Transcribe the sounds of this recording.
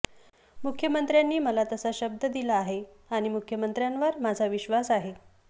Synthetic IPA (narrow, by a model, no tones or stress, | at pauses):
mukʰːjəmənt̪ɾjanːiːməlat̪əsaɕəb̚d̪əd̪ilaːɦe | aɽ̃imukʰjəmənt̪ɾjanʋəɾmad͡zʱaʋiɕʋasaɦe